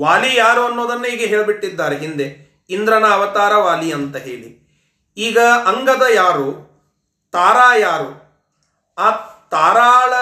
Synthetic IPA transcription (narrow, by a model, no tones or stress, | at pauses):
ʋaːlijaːɾuɐnːoːd̪ɐnːuiːɡeɦeːɭbiʈːid̪ːaːɾeɦind̪e | ind̪ɾɐnɐːʋɐt̪aːɾɐʋaːliɐnt̪ɐɦḛːɭḭ | iːɡɐɐŋɡɐd̪ɐjaːɾu | t̪aːɾaːjaːɾu | aːt̪aːɾaːɭɐ